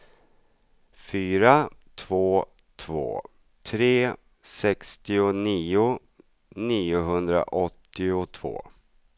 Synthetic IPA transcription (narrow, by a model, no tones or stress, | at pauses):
fyːɾat̪ʰvoː | t̪ʰvo̰ː | t̪ʰɾeː | sɛkst̪ɪʊniːʊ | niːʊɦɵnd̪ɾa̰ʔɔt̪ːɪʊt̪ʰv̥o̰ː